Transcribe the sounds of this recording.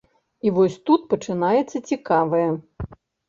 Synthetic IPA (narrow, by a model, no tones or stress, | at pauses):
ivɔsʲt̪ut̪̚pɐt͡ʂɨnajɛt̪sːɐt͡sʲikavɐjɐ